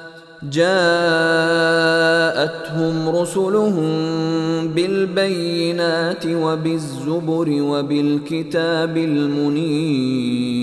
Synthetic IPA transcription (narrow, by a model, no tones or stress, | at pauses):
d͡ʒaː | ʔat̪ɦʊmɾʊsʊlʊhʊm | bɪlbajːɪnaːt̪ɪwabɪzːʊbʊɾɪwabɪlkɪt̪aːbɪlmʊniː